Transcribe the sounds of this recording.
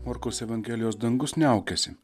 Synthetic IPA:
ɔːɾkoʊsɛʋɐnʲɡʲɛːlʲɪjoːsd̪ɐŋɡʊsnʲɛɐʊkʲɛsʲɪ

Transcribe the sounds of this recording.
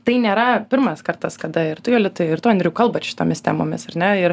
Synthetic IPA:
t̪ɐɪnʲeːɾɐpʲɪɾmɐskɐrt̪ɐskɐd̪ɐɪɾt̪ʊjoːlʲɪt̪ʊɪrt̪oːnʲd̪ʲɾʲɛʊkɐlˠbɐʃʲɪ̥t̪oːmʲɪst̪ʲæ̰ːmo̰ːmʲɪsɐrnʲɛɪɾ

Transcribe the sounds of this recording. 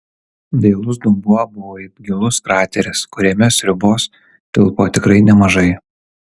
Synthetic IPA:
ʋʲɛɪlˠʊs̬d̪ʊmbʊɐbʊʋoːɪbʲɡʲɪlˠʊskɾɑːt̪ʲɛɾʲɪskʊɾʲeːmʲɛsʲɾʲʊboːs | t̪ʲɪlˠpoːt̪ʲɪkɾɐɪnʲɛmɐʒɐɪ

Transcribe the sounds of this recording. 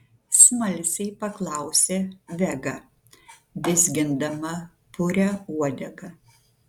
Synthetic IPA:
smɐlʲsʲɛɪpɐklˠɐˑʊsʲeːʋʲɛɡɐ | d̪ʲɪzʲɡʲɪnd̪ɐmɐ | pʊɾʲɛuɔd̪ʲɛɡɐ

